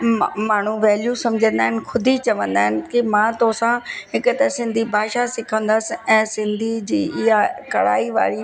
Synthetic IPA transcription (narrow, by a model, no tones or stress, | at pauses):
maːɳ̤uʋɛːljusɐ̃md͡ʑʱə̃nd̪aːɦɪnɪ̆xʰʊd̪ʱit͡ɕɐʋə̃nd̪aːɦɪnɪ̆kimãːt̪oɦsãɦɪkʊt̪ɐsɪ̃nd̪ʱibʱaːʃasɪkʰə̃nd̪əsɪ̆ɛ̃ːsɪ̃nd̪ʱid͡ʑiːɪɦakɐɽa̰ːiʋa̰ːɾi